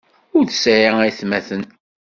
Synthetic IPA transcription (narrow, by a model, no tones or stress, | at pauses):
ʊɾθə̥sɾiæjθmæθən